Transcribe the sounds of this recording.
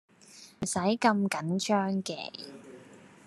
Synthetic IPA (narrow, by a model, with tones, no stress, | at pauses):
m̩˨˩sɐ˨˥jkɐ˧mkɐ˨˥nt͡ʃʰœː˥ŋkɛ̰ː˨˩